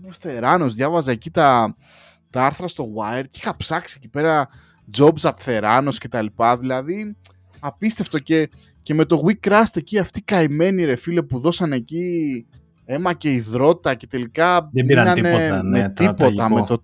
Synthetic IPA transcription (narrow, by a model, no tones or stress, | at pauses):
oθe̞ɾɐno̞zðʝɐvɐzɐːcit̪ɐ | t̪ɐɐɾθɾɐst̪o̞ɣwɐeɾd̪ixɐpsɐksiecipe̞ɾɐ | d͡zo̞bzɐt̪θe̞ɾɐno̞sce̞t̪ɐlipɐðilɐði | ɐpist̪e̞ft̪o̞ce̞ | ce̞me̞t̪o̞ɣwikɾɐst̪e̞ciɐft̪ikɐime̞niɾe̞file̞puðo̞sɐne̞ci | e̞mɐce̞iðɾo̞t̪it̪ɐce̞t̪e̞likɐminɐnemet̪ipo̞t̪ɐmmet̪o